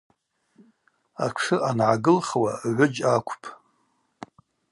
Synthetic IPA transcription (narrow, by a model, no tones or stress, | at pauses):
akʷʰʂɨʔanʕaɡɨlχwa̰ʕʷʊd͡ʒakʷʰpʰʼ